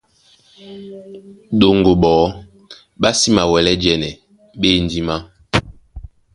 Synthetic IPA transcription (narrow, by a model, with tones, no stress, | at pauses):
ɗo˨ŋɡo˨ɓɔː˨˦ | ɓa˦si˦ma˨wɛ˨lɛ˦d͡ʒɛ˦˨nɛ˨ | ɓe˦n˦di˦ma˦